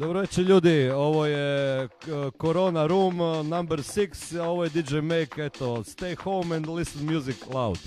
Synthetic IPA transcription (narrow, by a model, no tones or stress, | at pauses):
d̪obɾoʋet͡ʃeʎuːd̪io̞ʋoje | koɾo̞ːnaɾuːmnambɛɾsiksoʋojed̪id͡ʒejmejket̪ost̪ejxowmɛ̃nd̪lisənmjuziklˠawt̪